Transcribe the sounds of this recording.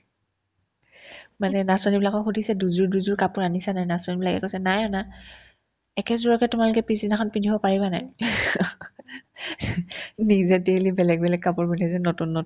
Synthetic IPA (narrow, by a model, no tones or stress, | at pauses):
manɛnasɔnibilakɔxudʱisɛduzuɹduzuɹkapʊɹanisanajnasɔnibilakɛ̰kojsɛnajɔna | ɛkɛzuɹɔkɛtʊmalʊkɛpizinaxʰɔnpindʱibɔpaɹibanaj | nizɛdelibɛlɛɡ̚bɛlɛk̚kapʊɹbinazɛnotunːɔ